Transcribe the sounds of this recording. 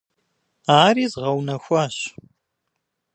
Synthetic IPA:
aːɾiːzʁɐwnɐxʷɐɕ

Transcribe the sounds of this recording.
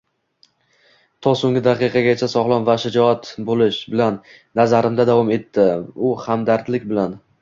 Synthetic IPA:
t̪ʰɒsoŋɡʲɪd̪aqɨqʰɑɡʲat͡ʃʰasɒʁlˠɒnvaʃɪd͡ʒɒat̪bolɪʃbɪlanː | azaɾɪmd̪ad̪avɒme̞t̪ʰːɪʊhamd̪aɾt̪lɪkʲbɪlan

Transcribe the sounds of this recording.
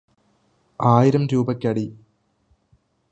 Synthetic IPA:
aːjiɾɐmɾuːbɐkʲːɐɽi

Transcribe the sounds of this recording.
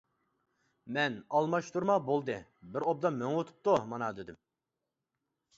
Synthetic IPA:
mɛnɑlˠmɑʃt̪uɾmɑbolˠd̪ɨbɪɾob̚d̪ɑmøŋwot̪ʰu̥p̚t̪umɑnɑd̪ed̪ɪm

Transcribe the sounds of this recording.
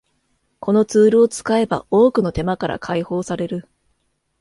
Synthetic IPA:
kʰo̞no̞t͡sɨːɾɯ̟o̞t͡sɨ̥kae̞ba̰oːkɯ̟no̞t̪e̞makaɾa̰kʰaiho̞ːsaɾe̞ɾɯ̟

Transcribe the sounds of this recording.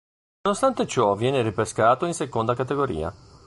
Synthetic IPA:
nonost̪ant̪et͡ʃɔvjɛːneripeskaːt̪oinsekond̪akat̪eɡoɾḭːa̰

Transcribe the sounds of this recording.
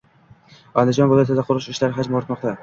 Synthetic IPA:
ɒ̰lɪd͡ʒɒnvɪlˠɒjɒt̪ɪd̪aqʰʊɾʊʃɪʃlaɾɪɦad͡ʒmoɾɪt̪mɒqt̪ʰa

